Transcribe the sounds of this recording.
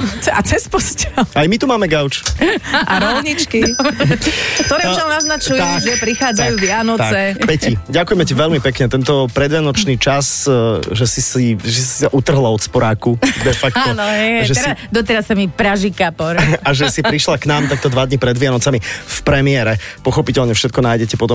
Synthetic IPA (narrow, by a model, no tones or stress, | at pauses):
at͡sɛspɔscɛlajmit̪umaːmɛɡaʊt͡ʃʔaɾɔlɲit͡ʃki | k̚t̪ɔɾɛanaznat͡ʃujɛʒɛpɾixaːd͡zajjuʋɪanɔt͡sɛpɛciɟakʊjɛmɛciʋɛʎmipɛkɲɛt̪ɛnt̪ɔpɾɛd̪ʋɪjanɔt͡ʃniːt͡ʃasʒɛsisiʒɛsi̥saʔut̪r̩ɦlaɔt̪spɔɾaːkud̪ɛfakt̪ɔnɦɛʒɛɛd̪ɔt̪ɛɾasːamipɾaʒikapɔɾaʒɛsipɾiʃlaknaːmt̪ak̚t̪ɔd̪ʋad̪ɲipɾɛd̪ʋɪanɔt͡samifpɾɛmɪɛɾɛpɔxɔpicɛlɲɛfʃɛt̪̚kɔnaːjɟɛcɛpɔt̪ɔm